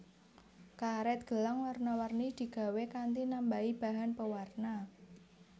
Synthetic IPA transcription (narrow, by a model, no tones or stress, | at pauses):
kaɾɛt̪̚ɡ̥ə̤laŋwarnawarnid̪̥i̤ɡ̥a̤wekant̪inambaib̥a̤ɦanpəwarna